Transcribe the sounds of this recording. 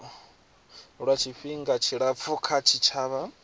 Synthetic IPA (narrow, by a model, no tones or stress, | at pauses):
ɺat͡ʃʰiɸiŋɡat͡ʃʰiɺap̪fʰukʰat͡ʃʰit͡ʃʰaβa